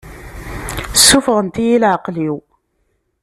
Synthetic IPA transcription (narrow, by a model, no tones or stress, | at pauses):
sːufʁˤənt̪ijilʕəqliw